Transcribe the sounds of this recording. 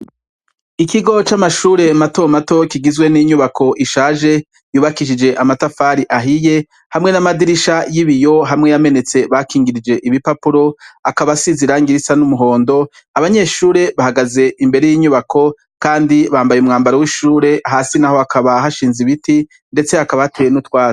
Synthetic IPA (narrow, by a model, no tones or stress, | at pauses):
ikiɡo̞t͡ʃamaʃuːɾe̞mato̞mato̞kiɡizwe̞niɲuβakʰo̞ʔiʃaːʒe̞ | juːβakiʃ̬id͡ʒe̞ʔamatafaːɾiʔaɦije̞ | hamŋe̞namadiɾiʃajiβijo̞ɦamŋe̞jame̞ne̞t͡se̞βakʰiːŋɡiɾid͡ʒe̞ʔiβipapuɾo̞akaβasiziɾaŋɡiɾisanumuɦo̞ːndo̞ | aβaɲe̞ʃuːɾe̞βahaɡaze̞imbe̞ɾe̞jiːɲuβakʰo̞ | kaːndiβaːmbajumŋaːmbaɾowiʃuːɾe̞ɦaːsinaho̞akʰaβaɦaʃiːnziβiti | nde̞t͡se̞akaβahatejenutwaː